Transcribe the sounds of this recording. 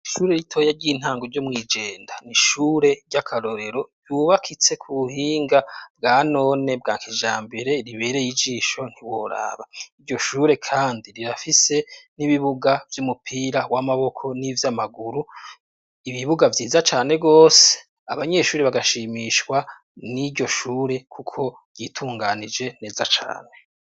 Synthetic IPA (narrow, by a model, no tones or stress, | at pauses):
iʃuːɾe̞ɾitʰo̞ːjaɾɟiːn̥haːŋɡoɾɟomŋiːd͡ʒe̞ːndaniʃuːɾe̞ɾɟakʰaɾo̞ɾe̞ɾo̞juːβakʰit͡se̞kʰuβuhiːŋɡabɡaːno̞ːne̞bɡaːŋkiʒaːmbe̞ɾe̞ɾiβe̞ːɾe̞jid͡ʒiːʃo̞n̥hiwo̞ɾa̰βaiɾɟo̞ʃuːɾe̞kʰaːndiɾiɾafise̞niβiβuɡavjumupʰiːɾawamaβo̞kʰo̞nivjamaɡuɾu | iβiβuɡavjiːzat͡ʃaːne̞ɡo̞ːse̥ | aβaɲe̞ʃuːɾiβaɡaʃiːmiʃkwa | niɟo̞ʃuːɾe̞kʰukʰo̞ | ɾɟiːtʰuːŋɡanid͡ʒe̞ne̞ːzat͡ʃa̰ːne̞